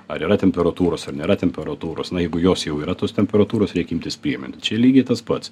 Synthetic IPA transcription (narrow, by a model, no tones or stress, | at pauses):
ɐɾiːɾɐt̪ʲɛmʲpʲɛɾɐt̪uːɾoːsɐrnʲeːɾɐt̪ʲɛmʲpʲɛɾɐt̪uːɾo̰ːsnɐjɛɪɡʊjoːsjɛʊiːɾɐt̪oːst̪ʲɛmʲpʲɛɾɐt̪uːɾoːsɾʲɛɪkʲimʲt̪ʲɪspʲɾʲiɛmʲɪ̰nʲt̪ʲt͡ʃʲɛlʲiːɡʲeːt̪ɐspɐt̪s